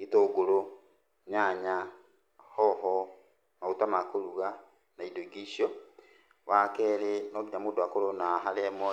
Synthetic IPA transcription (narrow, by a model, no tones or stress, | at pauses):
itoɡoɾo | ɲaɲa | hɔɦɔ | nautamakoɾuɣa | naidoɡisjɔ | wakɛɾenoɡiɲamodoakoɾonaɦalɛmɔ